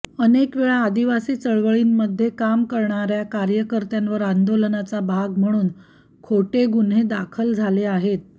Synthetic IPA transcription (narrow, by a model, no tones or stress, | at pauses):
ənekʋeɭaːd̪iʋasiːt͡səɭʋəɭiːnːəd̪ʱːjekamkəɾɳaɾjakaɾjəkəɾt̪janʋəɾand̪olənat͡sabʱaɡm̤əɽ̃uːn | kʰoʈeɡun̤ɦed̪akʰəld͡zʱaleaɦet̪̚